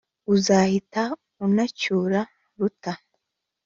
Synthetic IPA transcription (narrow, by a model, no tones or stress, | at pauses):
uzahita | unacuːɾa | ɾuta